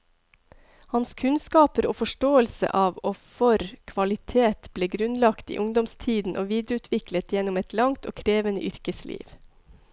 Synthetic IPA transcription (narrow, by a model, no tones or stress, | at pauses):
hɑnskʰʉnskɑːpəɾo̰ːfɔʃʈoːəlsə̰ʔɑːʋofɔɾkʰʋɑlɪt̪ʰeːt̪bleːɡɾʉnlɑkt̪ḭːʔʊŋd̪ɔmst̪ʰiːd̪n̩ʔoːʋiːd̪ɾəʉːt̪ʰʋɪklət̪jɛnɔmɛt̪ʰlɑŋt̪o̰ːkʰɾeːʋənə̰ʔʏɾkəslʔḭːʋ